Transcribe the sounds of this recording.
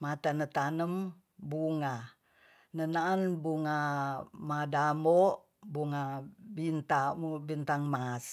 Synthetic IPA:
mat̪anət̪anəm | buŋa | nənaʔːnbuŋamadamoʔ | buŋabint̪abint̪aŋmas

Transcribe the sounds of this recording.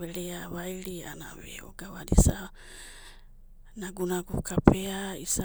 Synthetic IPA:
eɾeaβajɾia̰na̰βḛo̰ɡawadisa | naɡunaɡukʰapeaisa

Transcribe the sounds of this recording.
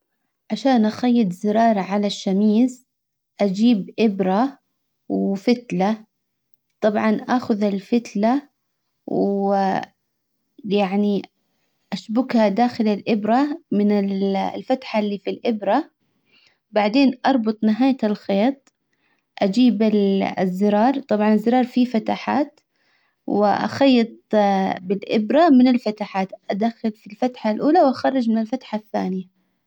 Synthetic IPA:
ʕaʃaːnʔaxajːɪt̪ˤzɪɾɑːɾˤɑʕalaʃːamiːz | ʔad͡ʒiːbʔɪbɾˤa | wfɪt̪la | t̪ˤɑbʕɑnʔaːxʊðalfɪt̪la | w | jaʕni | ʔaʃbʊkhad̪aːxɪlalʔɪbɾamɪnɪllfat̪ħalːiːfilʔɪbɾa | baʕd̪eːnʔɑɾˤbʊt̪ˤnɪɦaːjalxeːt̪̚ˤ | ʔad͡ʒiːbɪ̰zːɪɾɑːɾˤt̪ˤɑbʕɑnɪzːɪɾˤɑːɾˤfifat̪aħa̰ːt̪ | wɪ̰ʔa̰xɑjːɑt̪̚ˤbɪlʔɪbɾamɪnɪlfat̪aħaːt̪ʔad̪axɪlfilfat̪ħalʔuːlawʔaxɑrˤːɑd͡ʒmɪnɪlfat̪ħaθːa̰ːnɪja

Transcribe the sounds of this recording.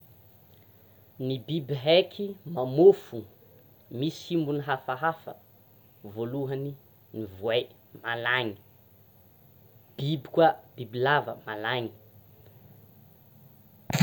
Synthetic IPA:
nibibiɦekʰimamofu | misimbuniɦafaɦafə̰ | voluɦəni | nivuaj | malaɲi̥ | b̥ibi̥kwab̥ibilavə̰malaɲi̥

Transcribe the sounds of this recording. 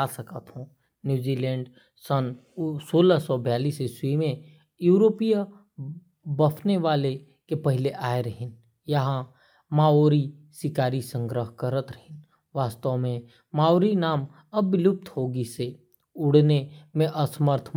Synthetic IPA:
asəkət̪ɦũ | njuːd͡ʒiːlɛ̃ːɳɖ | sən | soːləsɔbjaːliːseswimẽ | juːɾoːpija | bɐpʰneʋaːle | kepɐɦɪleʔaːeɾɐɦɪn | jɐɦã | maːoːɾi | sɪkaːɾisə̃ŋɡɾəɦkəɾət̪ɾɐɦɪn | ʋaːst̪əmẽ | maːoːɾinaːm | ɐbɪlʊp̚t̪ʰɦoːɡise | ʊɽ̤nemẽʔɐsməɾt̪ʰ

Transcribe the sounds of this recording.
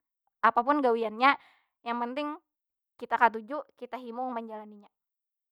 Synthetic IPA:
ʔapapʊnɡawianɲa | jaŋpənt̪ɪŋ | kit̪akat̪̬ud͡ʒuʔkit̪aɦimʊŋməɲd͡ʒalaniɲa

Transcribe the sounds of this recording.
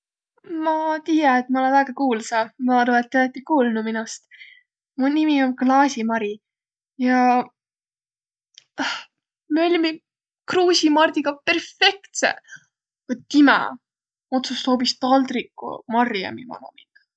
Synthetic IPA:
mɑt̪ijɑet̪̚mɑolenvæːɡɑkuːlsɑmɑɑroet̪ːelɑt̪ːˑikuːlnuminust̪ | munimio̞nklɑːsʲimɑɾi | jɑ | ɑh | meolʲmi | kruːsʲimɑrd̪̥ʲiɡɑpe̞rfe̞kt̪sḛ | ot̪ːimɛ̰ | o̞t̪susːo̞ːbist̪ɑld̪rikːṵmɑriɑ̰mimɑ̰no̰min̥

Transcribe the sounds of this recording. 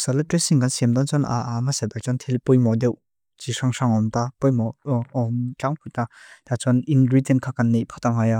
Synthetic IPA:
salatɾisiŋɡansemdant͡ʃɔnaamasebak̚t͡ʃɔntʰelpujmɔdew | t͡ʃisaŋsaŋɔmtapɔjmɔɔmt͡ɬaŋpʰujtadat͡ʃɔninɾitenkʰakanːipʰataŋaja

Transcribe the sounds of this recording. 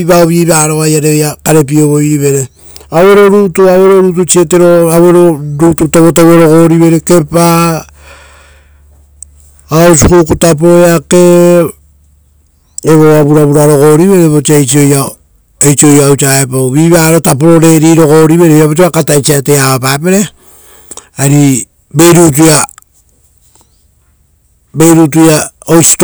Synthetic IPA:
iβaoβiːβaɾo̞ajaɾejakaɾe̞p̬io̞βojiβe̞ɾe | awe̞ɾo̞ɾutuawe̞ɾo̞ɾut̬ut͡ʃie̞te̞ɾo̞awe̞ɾo̞ɾututaβotawaɾo̞ko̞ɾiβe̞ɾeke̞pa | osukukutap̬oɾoeake̞ | eβoaβuɾaβuɾaɾo̞ko̞ɾiβe̞ɾeβot͡ʃiajt͡ʃio̞ja | ejt͡ʃio̞jawt͡ʃaepoβiβaɾotapoɾo̞ɾe̞ɾiɾo̞ko̞ɾiβe̞ɾeiaβot͡ʃ̬iβakatajt͡ʃiateaβapapeɾe | aɾi | be̞jɾut̬uja | be̞jɾut̬uja | ojsi̥t

